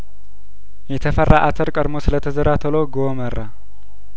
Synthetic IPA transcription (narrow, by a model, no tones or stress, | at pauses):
jɛt̪ʰəfərːʔaʔat̪ʰəɾkʼəɾmo̞sɨlət̪ʰəzəɾat̪ʰəloɡomərːʔa